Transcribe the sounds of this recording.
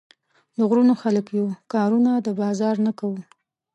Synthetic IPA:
ləɣɾunoxaləkjukɑɾunad̪əbɑzɑɾnakawu

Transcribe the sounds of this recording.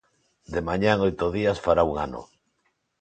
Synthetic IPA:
d̪emaɲaŋojt̪oðiasfaɾauŋa̰no̰

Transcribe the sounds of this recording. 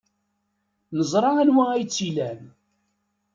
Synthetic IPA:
nəzˤɾˤɑænwææjt͡sːilæn

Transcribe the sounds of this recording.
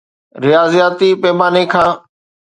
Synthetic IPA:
ɾɪjaːzijaːt̪ipɛːmaːnekʰãː

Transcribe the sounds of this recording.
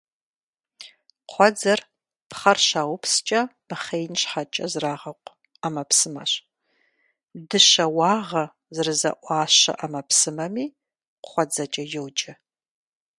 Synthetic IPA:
qʷɔd͡zɐr | pχɐrʃaːwʊpʰst͡ʃʼɐm̥ɨχejnɕħat͡ʃʼɐzraːʁɐqʷʼ | amɐpsɨmɐ̰ɕ | dɨʃɐwɑːʁɐ | zɨrɨzɐ̰ʔʷɑːʃɐ̰ʔɐmɐpʰsɨmɐmiː | χʷɔd͡zɐt͡ʃʼɐjowt͡ʃʼɐ

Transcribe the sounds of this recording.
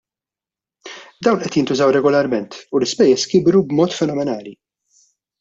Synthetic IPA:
d̪ɐwnʔɛt̪jɪnt̪ʊzɐwɾɛɡɔlɐɾmɛnt̪ulɪspɛjːɛskɪbɾubmɔːt̪fɛnɔmɛnɐːli

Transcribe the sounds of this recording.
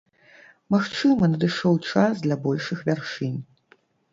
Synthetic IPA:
maxt͡ʂɨmɐnɐd̪ɨʂɔwt͡ʂasd̪lʲɐbɔlʲʂɨxvʲarʂɨnʲ

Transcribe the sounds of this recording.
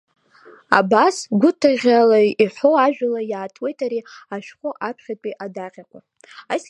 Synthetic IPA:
a̰basɡʷʊtʰaʁʲalaiħʷoaʒᶣalajaːtʰwe̞jtʰaɾiaʃᶣχʷʊʔapʰχʲatʼiʔadaqʲakʷʼa | as

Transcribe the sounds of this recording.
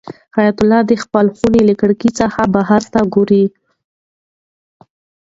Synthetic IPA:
xajat̪ʊlːɑd̪əxpəlxuneləkəɽkit͡səxabaɦaɾt̪aɡoɾi

